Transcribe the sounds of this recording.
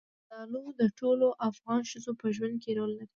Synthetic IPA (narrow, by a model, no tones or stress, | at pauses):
d̪ɑnud̪əʈoloʔafɣɑnʃəzopəʒwand̪̚keɾolːaɾi